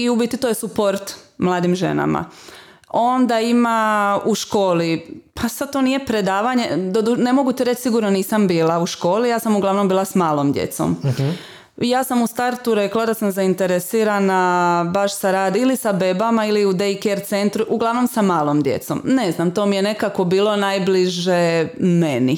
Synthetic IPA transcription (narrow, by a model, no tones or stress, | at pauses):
iubit̪it̪ojesupo̞ɾt̪mlˠaːd̪imʒe̞̰na̰ma̰ | o̞nd̪aimauʃko̞ːlipʰasad̪t̪o̞nije̞pɾe̞d̪aːʋaɲe̞d̪od̪une̞mo̞ɡut̪iɾet͡ʃsiɡuɾnoniːsambiːlauʃko̞ːlijaːsamuɡlˠaʋno̞mbiːlˠasmaːlˠomd̪jḛt̪so̰m | jaːsamust̪aɾt̪uɾeklˠad̪asamzaint̪e̞ɾesiːɾanabaʃsaɾaːd̪ilisabebamailiud̪eikeɾt̪se̞nt̪ɾuʔuɡlˠaʋno̞msamaːlˠo̞md̪je̞̰t̪so̰mne̞znamt̪o̞ːmije̞ne̞kako̞biːlo̞najbliʒemeni